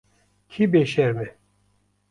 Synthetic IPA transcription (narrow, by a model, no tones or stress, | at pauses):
kʰibeʃɛɾmɛ